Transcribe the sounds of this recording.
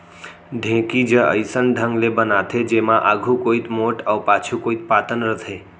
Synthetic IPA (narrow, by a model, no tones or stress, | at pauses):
ɖʱẽkid͡ʒəə̰jsənɖʱəŋɡlebənat̪ʰed͡ʒemãʔaɡʱũkoit̪moʈəwpat͡ʃʰukoit̪̚pat̪ənɾət̪ʰe